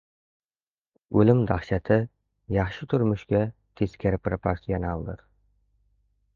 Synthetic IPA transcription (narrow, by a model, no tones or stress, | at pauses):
ɵlɪmd̪ɑχʃæt̪ʰɪ | jɑχʃɪt̪ʰʊɾmʊʃkʲɛt̪ʰeskʲʰɪɾpɾpʰoɾsijonɑlˠd̪ɨ̰ɾ